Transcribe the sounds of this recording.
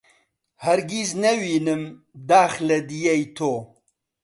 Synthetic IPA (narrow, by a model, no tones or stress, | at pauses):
hɐɾɡiznɐwiːnɨm | d̪aːxlɐd̪ijejt̪ʰoː